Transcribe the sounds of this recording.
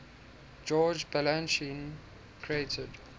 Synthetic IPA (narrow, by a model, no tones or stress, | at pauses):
d͡ʒɔːd͡ʒbɛlãnʃĩn | kʰɹietʰəd